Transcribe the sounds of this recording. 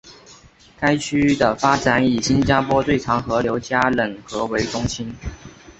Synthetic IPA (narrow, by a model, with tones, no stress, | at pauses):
ka˥ɪt͡ɕʰy˥d̪ə˨fa˥ʈ͡ʂa˨˧˥ni˨˩ɕi˦˥nt͡ɕja˥pʰwɔ˥t̪we˥˩ɪʈ͡ʂʰɑ˧˥ŋxɤ˧˥ljo˧˥ʊt͡ɕja˥lə˨˩ŋxɤ˧˥we˧˥ɪʈ͡ʂʊ˥ŋɕi˥n